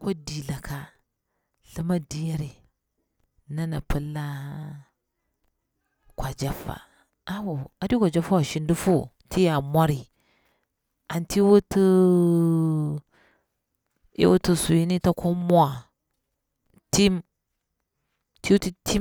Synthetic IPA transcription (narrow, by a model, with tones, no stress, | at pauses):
ko˦di˨la˨ka˦ | ɬɨ˦ma˦di˦ja˦ɾi˨ | na˦na˨pɨ˦lːa˦ | kʷa˨d͡ʒa˦fa̰˨ | a˦wo˨a˨di˦kʷa˨d͡ʒa˦fa˦wa˨ʃi˦ndu˦fu˦ | ti˦ja˨mʷa˦ɾi˨ | a˨nti˦wu˦tɨ˦ | ḛ˦wṵ˦tu˦su˨ji˦ni˦ta˦kʰo˦mwa˨ | ti˦m | ti˦wu˦ti˦tʰi˦